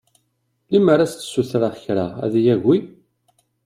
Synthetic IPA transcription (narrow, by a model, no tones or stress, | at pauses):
liməɾæst̪ːə̥sːuθɾaçɾa̰æ̰ðijæʝːi